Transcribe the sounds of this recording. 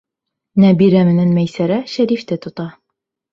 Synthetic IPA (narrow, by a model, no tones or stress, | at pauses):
næbiɾæmɘ̆nænmæjsæɾæʃæɾift̪ɘt̪ŏt̪ɑ